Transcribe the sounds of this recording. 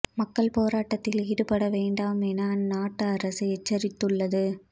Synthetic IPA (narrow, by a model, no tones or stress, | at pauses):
mɐkːɐɭpoːɾaːʈːɐt̪ːɪliːɽɯpɐɽɐʋeːɳɖaːmɛnaːnnaːʈːɯɐɾɐsɐɛt͡ʃːɐɾɪt̪ːɯɭːɐðɯ